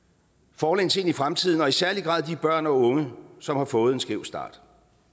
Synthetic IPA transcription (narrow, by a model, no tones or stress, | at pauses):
fɒːlḛːnt͡sʰe̝nifʁamt͡sʰiðˠn̩ɒ̽isæɐliɡ̥ʁɑ̰̈ːðˠd̥ib̥ɶɐ̰nɒ̽ɔ̽ŋəsɒ̽mhɑ̈fɔ̽ːð̞̩ˠensɡ̥eʊsd̥ɑ̰̈ːd̥